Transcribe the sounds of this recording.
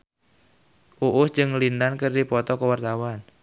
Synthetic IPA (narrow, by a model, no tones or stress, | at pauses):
ʔuʔʊsd͡ʒɨŋlindankərdipɔt̪ɔkəwart̪awan